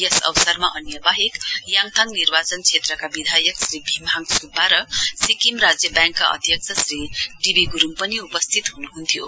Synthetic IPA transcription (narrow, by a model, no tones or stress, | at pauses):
jesʌ̰wsarmaʔʌnjʌbaɦikjaŋt̪ʰaŋnirbat͡sʌnt͡sʰet̪rʌkabid̪ʱajʌksribʱimaŋsubːaɾʌsikimrad͡zjʌbjaŋkːaʔʌ̰d̪ʱjʌk̚t͡sʰʌsriɖibiɡuɾumpʌniupʌst̪ʰit̪ɦunuɦunt̪ʰjo̰